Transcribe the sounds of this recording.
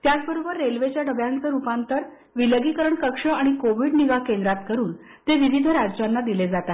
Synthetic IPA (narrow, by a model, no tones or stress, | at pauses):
t̪jat͡sbəɾobəɾːelʋet͡ɕjaɖəʋjãnt͡səɾupãnt̪əɾ | ʋiləɡikəɾəɳkəkʂəaɽ̃ikoʋiɽniɡakend̪ɾat̪kəɾuːn | t̪eʋiʋid̪ʱəɾad͡zt͡ɕanːad̪iled͡zat̪a